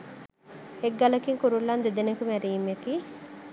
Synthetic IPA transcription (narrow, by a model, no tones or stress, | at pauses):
eɡːɐlɐkiŋkuɾulːɐnd̪ed̪enekumæɾiːmekiː